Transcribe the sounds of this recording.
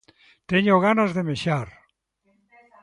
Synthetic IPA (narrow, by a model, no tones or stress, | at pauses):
t̪eɲoɣ̞anazðemeʃaɾ